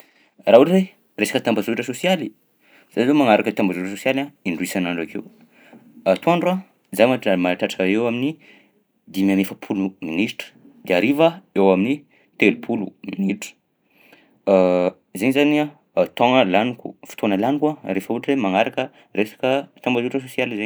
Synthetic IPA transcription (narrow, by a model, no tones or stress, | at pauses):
rauʈ͡ʂre | resḁkət̪ambazuʈ͡ʂəsosiali | z̥azemaŋaɾakət̪ambazuʈ͡ʂəsosialaiɳɖ͡ʐuisanaɳɖ͡ʐakʰew | at̪uaɳɖ͡ʐua | zajmaʈ͡ʂamaɾaʈ͡ʂaʈ͡ʂəewamini | d̪imamefəpʰuluminisʈ͡ʂə̥ | d̪̥eaɾivaewamini | t̪elupʰulṵminiʈ͡ʂə̥ | zenzania | t̪ɔ̃ŋəlanikṵfi̥t̪ʰonəlanikwaɾefəuʈ͡ʂemaŋaɾakə | ɾesḁkət̪ambazuʈ͡ʂəsosialize